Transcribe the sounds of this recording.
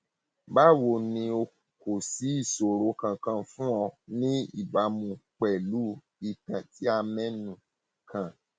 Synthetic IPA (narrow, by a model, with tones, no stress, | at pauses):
ba˦˨wo˨nĩ˧o˧˨ko˨si˨˦i˦˨so˨ɾo˨˦kã˧˨kã˧fũ˦ɔ˧nĩ˦ḭ˦˨ba˨˦mũ˧k͡pɛ˨lu˨˦ | i˧tã˨ti˦a˧mɛ̃˦nũ˨ | kʰã˧˨